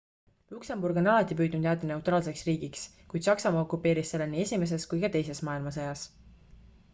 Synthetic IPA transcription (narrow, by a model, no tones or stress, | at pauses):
lukse̞mburɡ̥o̞nɑlɑt̪ːˑip̬yːd̪nud̪jæːt̪ːˑene̞uwt̪ˑrɑːlse̞ksriːɡiks | kujd̪̥sɑksɑmɑːo̞kupːˑe̞ːɾisːe̞lːeniːe̞sʲime̞s̬e̞skujkɑt̪e̞jse̞smɑːilmɑsɑjɑs